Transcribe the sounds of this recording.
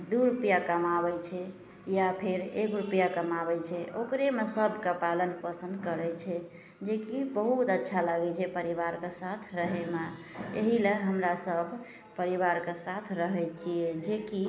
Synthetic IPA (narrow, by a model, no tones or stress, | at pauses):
d̪uɾupjakəmabɛt͡ʃʰɛ | japʰeɾekɾupjakəmabɛt͡ʃʰɛokɾemesəbʱkapalənpəsə̃nd̪kəɾɛt͡ʃʰɛ | d͡ʒekibəɦut̪ətːʃʰalaɡɛt͡ʃʰɛpəɾiβaɾkesat̪ʰɾəɦɛma | ḛɦileɦəmɾasəbʱ | pəɾiβaɾkesat̪ʰɾəɦɛt͡ʃʰied͡ʒeki